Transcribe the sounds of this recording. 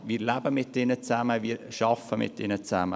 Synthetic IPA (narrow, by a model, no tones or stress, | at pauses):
ʋiːɾlæbəmɪtːɪnət͡sæməʋiːɾʃɑfəmɪ̰tɪnət͡sæmə